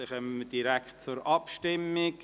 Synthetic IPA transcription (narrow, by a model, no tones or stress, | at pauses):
ɪχəməd̥iɾækt̚t͡sʊɾʔɑpʃtɪmɪk